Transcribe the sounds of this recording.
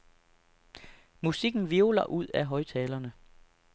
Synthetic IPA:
musiɡ̥n̩ʋiʊlɐʔuð̞̰ˠæɦɒ̽ɪt͡sʰɛːlɐnə

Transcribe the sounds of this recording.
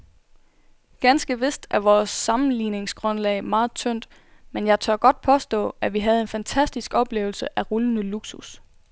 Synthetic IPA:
ɡ̥ænsɡ̥əʋe̝sd̥æɐʋɒːsːɑ̈mn̩liːne̝ŋsɡ̥ʁɔ̽nlɛɪmɑ̈ːð̞̩ˠt͡sʰøn̰d̥ | menjɑ̈ɪt͡sʰœɐɡ̥ɒ̽d̥̚pʰɒ̽sd̥ɔ̰̽ːæʋiɦæð̞̩ˠe̝nfænt͡sʰæsd̥isɡ̥ɒ̽b̥le̝ːʊl̩səʔæʁulənəluɡ̥sus

